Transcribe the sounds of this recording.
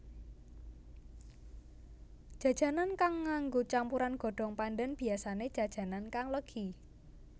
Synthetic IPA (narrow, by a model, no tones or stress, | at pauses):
d̥ʒ̥ä̤d̥ʒ̥ä̤nankaŋːaŋɡut͡ʃampuɾanɡ̥ɔ̤ɖ̥ɔ̤ŋpandənb̥i̤asaned̥ʒ̥ä̤d̥ʒ̥a̤nankaŋləɡ̥i